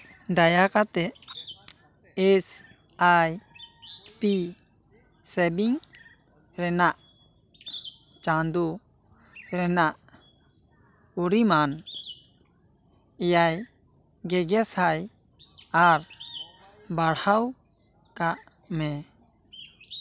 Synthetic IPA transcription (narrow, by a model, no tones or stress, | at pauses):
d̪ajakat̪ɛʔ | ɛs | aj | pi | sɛbiŋ | ɾɛnaʔ | t͡ʃãnd̪u | ɾɛnaʔ | uɾiman | ɛjaj | ɡɛɡɛsaj | aɾ | baɽhaw | kaʔ | mɛ